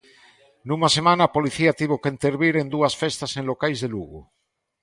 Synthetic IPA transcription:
numasemãnaːpoliθiat̪iβ̞okeint̪eɾβiɾend̪uasfest̪asẽnlokajzðeluɣu

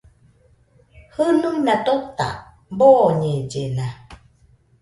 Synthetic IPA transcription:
hɯnuŋnat̪ot̪a̰ | boɲed͡ʒena

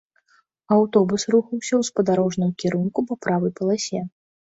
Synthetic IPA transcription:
awt̪ɔbusruxɐwsʲɐwspɐd̪aɾɔʐnɨmkʲiɾunkupɐpɾavɨjpɐlˠasʲɛ

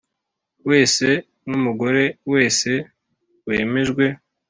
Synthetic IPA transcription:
we̞ːse̞ | numuɡo̞ɾe̞we̞ːse̞ | weːme̞ʒɡwe̞

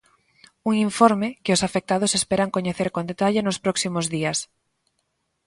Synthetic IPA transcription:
uŋiɱfoɾmɪkɪʊsafek̚t̪að̞ʊsespeɾaŋkoɲeθeɾkond̪et̪aʎɪnʊspɾɔksimʊzðiɐs

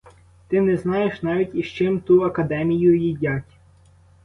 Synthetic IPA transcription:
t̪ɪnɛznɑjeʃnɑʋʲitʲiʃt͡ʃɪmt̪uɐkɐd̪ɛmʲijʊjidʲatʲ

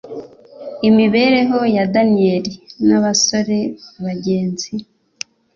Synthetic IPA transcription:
imiβe̞ɾe̞ɦo̞jadanieɾinaβaso̞ɾe̞βaɟe̞ːnzi

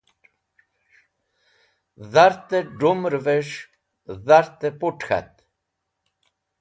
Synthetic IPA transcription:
ðaɾt̪əɖumɾveʂ | ðaɾt̪əpʊʈxa̰t̪

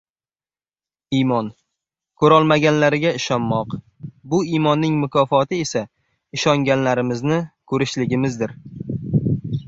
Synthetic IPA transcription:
imɒn | kʰɵɾɒlˠmaɡʲanlaɾɪɡʲaɪʃɒnːɒq | bʊimɒnːɪŋmʊkʰɒfɒt̪ʰɪesa | ɪʃɒŋɡʲanlaɾɪmɪznɪkʰɵɾɪʃlɪɡʲɪmɪzd̪ɪɾ

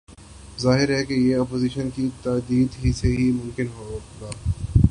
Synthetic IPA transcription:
zaːɦɪɾɦɛkejeɔːpoːziːʃənkit̪aːd̪iːd̪ɦiseɦimʊ̃mkɪnɦoɡaː

